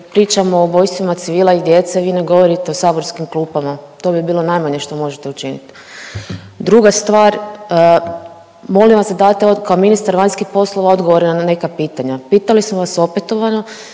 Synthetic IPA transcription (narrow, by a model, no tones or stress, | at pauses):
pɾiːt͡ʃamoːbo̞jst̪ʋimat̪siʋiːlˠaid̪je̞t̪seʋiːne̞ɡo̞ʋo̞ɾit̪e̞osaːboɾskimklˠuːpamat̪o̞ːbibiːlo̞najmaɲeʃt̪o̞mo̞ʒet̪eut͡ʃinḭt̪ | d̪ɾuɡast̪ʋaːɾ | mo̞lĩmʋasd̪ad̪aːt̪ekaominist̪aɾʋaɲskixpo̞slˠoʋao̞d̪ɡo̞ʋoɾenane̞kapiːt̪aɲapiːt̪alismoʋaso̞pet̪o̞ʋano̞